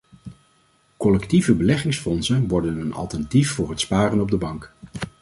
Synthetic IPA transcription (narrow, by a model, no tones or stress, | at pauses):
kɔlɛktivəbəlɛχɪŋsfɔnsənʋɔɹdənənɑ̰lˠtəntifːʊːɹɦətspaːrənɔb̚dəbɑŋk